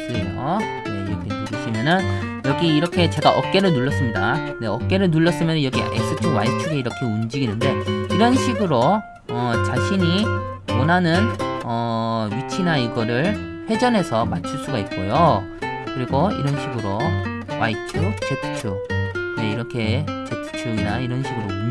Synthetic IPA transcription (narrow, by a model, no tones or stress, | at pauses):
kɯɾɡʌ | neiɾʌkʰenuɡɯɕʰimjʌnɯnjʌɡiːɾʌkʰe̞t͡ɕe̞ɡaʔʌp̚k͈e̞ɾɯɭnuɭːʌs͈ɯmɲida | ne̞ʌk̚k͈e̞ɾɯɭnuɭːʌs͈ɯmjʌnɯjʌɡḭʔḛk̚s͈ɯtʰiwait͡ɕʰuɡe̞iɾʌkʰe̞und͡ʑiɡinɯnde̞iɾʌnɕʰiɡɯɾo | ʌt͡ɕaɕʰiɲi | wʌnɦanɯnʌɥit͡ɕʰinaiɡʌɾɯɭ | ɸwe̞d͡ʑʌnɦe̞sʰʌmat͡ɕʰuɭs͈uɡait̚k͈ojo | kɯɾiɡoḭɾʌnɕʰiɡɯɾo | wa̰it͡ɕʰut͡ɕetʰt͡ɕʰune̞iɾʌkʰe̞t͡ɕetʰt͡ɕʰuinaiɾʌnɕʰiɡɯɾo